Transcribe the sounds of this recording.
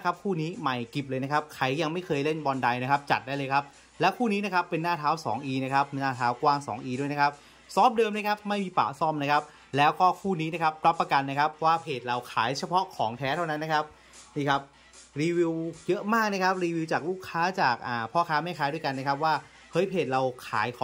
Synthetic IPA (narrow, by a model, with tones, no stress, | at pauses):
kʰa˦˥p̚kʰuː˥˩niː˦˥ma˨˩jki˨˩p̚lɤː˧jna˦˥kʰa˦˥p̚kʰa˧˩jːa˧ŋma˥˩jkʰɤː˧jle˥˩nbɔː˧nda˧jna˦˥kʰa˦˥p̚t͡ɕa˨˩t̪̚daː˥˩lɤː˧jkʰa˦˥p̚ | lɛː˦˥wkʰuː˥˩niː˦˥na˦˥kʰa˦˥pːe˧nːaː˥˩t̪ʰaː˦˥wsɔː˩˦ŋʔiː˧na˥kʰa˦˥p̚naː˥˩t̪ʰaː˦˥wkwaː˥˩ŋsɔ̰ː˩˦ŋʔiː˧du˥˩əjna˦˥kʰp̚ | sɔː˦˥p̚dɤː˧mna˥kʰa˦˥p̚ma˥˩jmiː˧pa̰ː˨˩sɔ˥˩mna˦˥kʰa˦˥p̚ | lɛː˦˥wkɔː˥˩kʰuː˥˩niː˦˥na˦˥kʰa˦˥p̚ɾa˦˥pːɾa˧ka˧nːa˥kʰa˦˥pʰːɔ˦waː˥˩pʰeː˨˩t̪̚ɾa˧wkʰaː˩˦jt͡ɕʰa˧pʰɔ˦˥kʰɔː˩˦ŋt̪ʰɛː˦˥t̪ʰa˥˩na˦˥nːa˦˥kʰa˦˥p̚ | niː˥˩kʰa˦˥p̚ | ɾiː˧wi˧wjɤ˦˥ʔmaː˥˩k̚na˥kʰa˦˥p̚ɾiː˧wi˧wt͡ɕaː˨˩k̚luː˥˩kʰːaː˦˥t͡ɕaː˨˩k̚ʔaː˨˩pʰɔː˥˩kʰaː˦˥ma˥˩jkʰaː˨˦jdu˥˩jka˧nːa˥kʰa˦˥p̬̚waː˥˩ | hɤ˦˥jpʰeː˨˩t̪̚ɾa˧wkʰa̰ː˩˦jkʰɔː˨˦